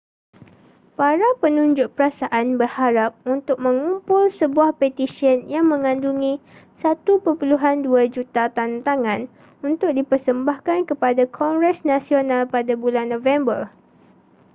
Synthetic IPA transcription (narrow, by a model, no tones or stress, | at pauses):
paɾapənũɲd͡ʒʊʔ̚pəɾasaʔanbərhaɾap̚unt̪ʊk̚mə̃ŋumpʊlsəbuahpɛt̪isiənjaŋmə̃ŋãnduŋĩsat̪upəpuluɦanduad͡ʒut̪at̪ant̪aŋãn | unt̪ʊk̚dipərsəmbahkankəpadakʰɔŋɡɾɛsnãsionãlpadabulanːõvɛmbər